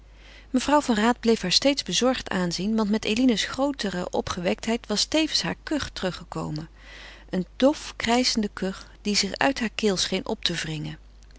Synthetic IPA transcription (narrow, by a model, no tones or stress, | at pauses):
məvrʌwvɑnraːd̚blejfɦaːɹstejtzbəzɔɹχtaːnzinʋɑntmɛtejlinəsχrowtərə̰ʔɔpχəʋɛk̚tɦɛjtʋɑstejvənsɦa̰ːɹkɵχtərɵχəko̰wmə | ʔənd̥ɔfkrɛjzəndəkɵχ | d̥izɪχœ̰ɥtɦaːɹkɪːlˠsχejnʔɔ̰p̚tʰəvrɪŋən